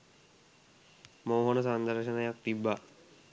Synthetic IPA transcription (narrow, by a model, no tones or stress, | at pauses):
moːɦonəsand̪əɾʃənəjak̚t̪ibːa